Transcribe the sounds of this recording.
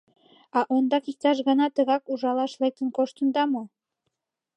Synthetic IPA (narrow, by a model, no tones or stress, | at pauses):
ɑʔond̪ɑkik̚t̪ɑʃ̬ɣɑnɑt̪ə̆ɣɑkuʒɑlɑʃlek̚t̪ə̆nkoʃt̪ə̆nd̪ɑmo